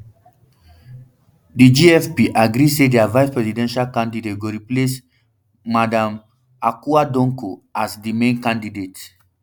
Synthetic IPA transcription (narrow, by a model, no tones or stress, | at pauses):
did͡ʒiɛfpiʔaɡɾisedɛavajspɹɛzidɛ̃nʃalkãndidet̚ɡoɾiples | madãm | akuadɔ̃ŋkoasdimẽnkãndidet